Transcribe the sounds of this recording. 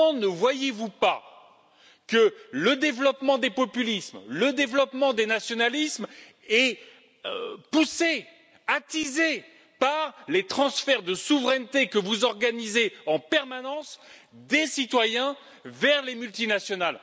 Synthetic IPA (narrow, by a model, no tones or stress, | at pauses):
nəvwajevupa | kələd̪evlɔpmɑ̃d̪epɔpylismləd̪evlɔpmɑ̃d̪enasjɔnalism | ɛ | puse | at̪ize | paʁlet̪χɑ̃sfɛʁd̪əsuvʁɛnt̪ekəvuzɔʁɡanizeɑ̃pɛʁmanɑ̃sd̪esit̪wajɛ̃ | vɛʁlemylt̪inasjɔnal